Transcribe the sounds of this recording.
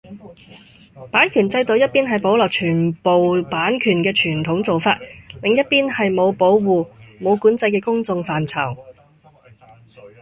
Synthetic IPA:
paː˨˥nkʰyː˨˩nt͡sɐ˧jt̪o˨˧wjɐ˥t̚piː˥nɦɐ˨˩jpo˨˥wlɔː˨k̚t͡ʃʰyː˨˩npo˨wpaː˨˥nkʰyː˨˩nkɛː˧t͡ʃʰyː˨˩nt̪ʰʊ˨˥ŋt͡so˨wfaː˧t̚lɪ˨ŋjɐ˥t̚piː˥nhɐ˨jmo˨˧wpo˨˥wwuː˨mo˨˧wkuː˨˥nt͡sɐ˧jkɛː˧kʊ˥ŋt͡sʊ˧ŋfaː˨nt͡sʰɐ˨˩w

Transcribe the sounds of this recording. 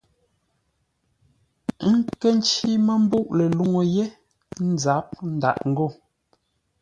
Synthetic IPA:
ŋ̩˦ke˦n̩˦t͡ʃi˦mə˦m̩˦bu˦ʔle˨lu˦ŋo˨je˦ | n̩˦za˨˦p̚n̩˦da̰˨ʔŋ̩˦ɡo˦˨

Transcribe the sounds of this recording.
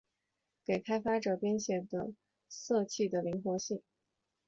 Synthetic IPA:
ke˨˩ɪkʰa˥ɪfa˥ʈ͡ʂɤ˨˩pjɛ˥nɕjɛ˨˩nd̪ə̰˦˩ | sɤ˥˧t͡ɕʰi˥˩d̪ə˩li˧˥ŋxwɔ˧˥ɕi˥˩ŋ

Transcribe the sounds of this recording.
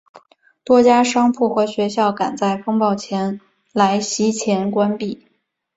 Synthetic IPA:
t̪wɔ˥t͡ɕja˥ʂɑ˥ŋpʰu˥˩xɤ˧˥ɕɥɛ˧˥ɕjɑ˥˩ʊka˨˩nt͡sa˥˩ɪfɤ˥ŋpɑ˥˩ʊt͡ɕʰjɛ˧˥n | la˧˥ɪɕi˥t͡ɕʰjɛ˧˥nkwa˥npi˥˩

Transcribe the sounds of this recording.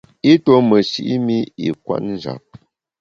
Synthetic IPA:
i˦to˦mə˨ʃḭ˦ʔi˦mi˦ḭ˨kwa̰˦ʔn̩˦˨d͡ʒa̰˨p̚

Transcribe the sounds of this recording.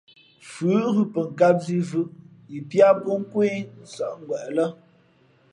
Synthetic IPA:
fʉ˨˦ɣʉ˦pə˨ŋ̩˨ka˦p̚zi˦vʉ˦˨ʔ | i˨pja˦pɔ˦ŋ̩˦kwe˦n̩˨sə˨ʔŋ˦ɡwɛ˨ʔlə˦

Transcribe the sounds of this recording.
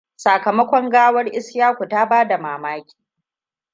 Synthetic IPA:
saː˨kɐ˨mɐ˦kʷɔ˦ŋɡaː˦wɐ˦rʔɪ˦sjaː˦kʷu˨ta˦baː˦da˨maː˨maː˦kʲi̥ː˨

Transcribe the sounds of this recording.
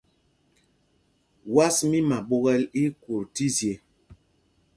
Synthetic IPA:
wa˦smi˦ma˨ɓo˦ɣɛ˦li˦ku˨ɾti˦zje˨

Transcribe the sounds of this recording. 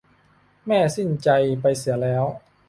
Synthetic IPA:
mɛː˥˩si˥˩nt͡ɕa˧jpa˧jsi˩˦ɐlɛː˦˥w

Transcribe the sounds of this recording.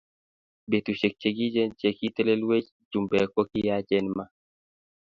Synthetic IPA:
be˨t̪u˨ʃe˨k̚t͡ʃe˨ɡi˦d͡ʒɛ˦nt͡ʃe˨ki˦tɛ˦le˦lwe˦t͡ʃ | d͡ʒu˨mbɛ˨kɔ˦ki˦ja˦d͡ʒɛ˦nma˦

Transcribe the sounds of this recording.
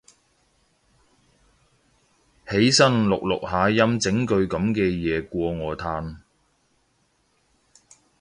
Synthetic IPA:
he˨˥jsɐ˥nlʊ˨k̚lʊ̰˨k̚haː˨˥jɐ˥mt͡sɪ˨˥ŋkɵ˧ɥkɐ˨˥mkɛː˧jɛː˨˧kʷɔː˧ŋɔː˨˧t̪ʰaː˧n

